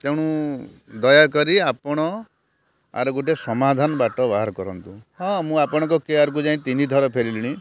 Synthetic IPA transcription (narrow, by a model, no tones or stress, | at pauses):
t̪ewɽ̃ud̪ɔjakɔɾiapɔɽ̃ɔ | a̰ɾɔɡoʈesɔmad̪ʱanɔbaʈɔbaɦaɾkɔɾɔnt̪uhɔ̃mũapɔɽ̃ɔ̃ŋkɔkeaɾk̬ud͡ʒaɦĩt̪inid̪ʱɔɾɔpʰeɾiliɽ̃i